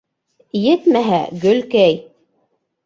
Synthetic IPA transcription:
jɘt̪mæɦæ̰ɡɵ̆lkæj

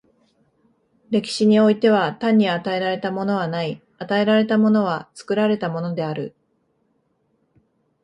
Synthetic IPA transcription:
ɾe̞kʲi̥ɕiɲ̟io̞it̪e̞β̞at̪ãɲ̟ːiat̪ae̞ɾaɾe̞t̪amo̞no̞β̞anai | at̪ae̞ɾaɾe̞t̪amo̞no̞β̞at͡sɨ̥kɯ̟ɾaɾe̞t̪amo̞no̞d̪e̞aɾɯ̟

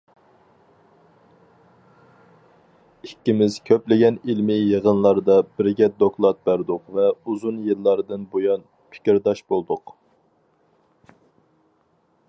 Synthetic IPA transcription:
ikʲːimɪz̥kʲʰøplɪɡʲɛnilmɪjəʁənlˠɑɾd̪ɑbɪɾɡʲɛd̪oklˠɑt̪̚bæɾd̪ʊqvɛuzunjɨlːɑɾd̪ɨnbojɑn | pʰɪ̥kʲiɾd̪ɑʃbolˠd̪ʊq

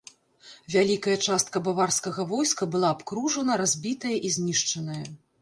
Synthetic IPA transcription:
vʲalʲikɐjɐt͡ʂast̪̚kɐbavarskɐɣɐvɔjskɐbɨlˠaːpkɾuʐɐnɐɾazʲbʲit̪ɐjɐʔizʲnʲiʂt͡ʂɐnɐjɐ

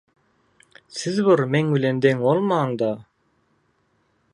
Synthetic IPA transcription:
sizβɯɾmeŋbilʲend̪eŋolˠmɑːɴd̪ɑ

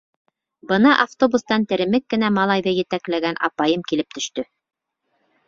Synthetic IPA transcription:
bɤnɑʔaft̪obust̪ɑnt̪ɘ̆ɾɘ̆mɘkːɘ̆næmɑlˠɑjðɤjɘ̆t̪æklæɡænʔɑ̰pɑjɤmkilɘp̚t̪ɵ̆ʃt̪ɵ

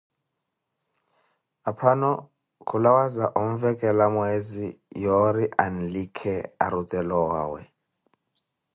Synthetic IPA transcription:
apʰanɔ | kʰulawazaʔom̩vɛkʼɛlamwezijoɾiʔan̩likʰɛa̰ɾutʼɛlɔwa̰ːwɛ̰

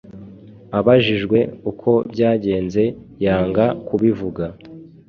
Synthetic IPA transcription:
aβaʒiʒɡwe̞ukʰo̞bɟaːɟe̞ːnze̞jaːŋɡakuβivuɡa

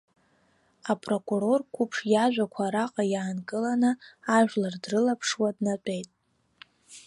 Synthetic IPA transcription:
apʼro̞kʼuɾo̞rkʷʰupʰʂjaʒʷᶣakʷʰaɾaqʼajaːnkʼɨlanɨaʒᶣlardrɨlapʰʂwadnat͡pʼe̞jtʼ

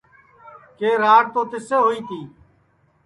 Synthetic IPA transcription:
keːɾaːɽt̪oːt̪ɪseːɦoːiːt̪iː

